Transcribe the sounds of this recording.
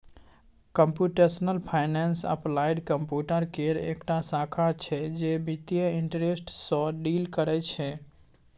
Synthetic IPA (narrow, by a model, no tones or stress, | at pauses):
kəmpjuʈesnəlpʰaɪnensə̰plajɖkəmpjuʈəɾkeɾḛkʈasakʰat͡ʃʰɛd͡ʒebit̪ijəiɳʈɾesʈsɔ̃ɖilkəɾɛt͡ʃʰɛ